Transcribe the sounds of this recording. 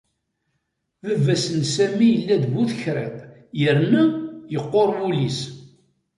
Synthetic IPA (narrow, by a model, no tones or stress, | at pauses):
ðəvːæsənsæmijəlːæd̪buθəçɾæ̰bjəɾnæjəqːoɾˤwulis